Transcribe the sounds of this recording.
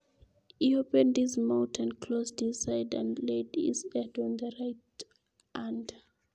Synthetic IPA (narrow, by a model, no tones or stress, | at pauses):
hiopɛ̃ndizmãʊ̃ntʰə̃nkʰlosdissaɪdã̰nleɪdḭsɛdɔ̃nðəɹaɪt | ãnd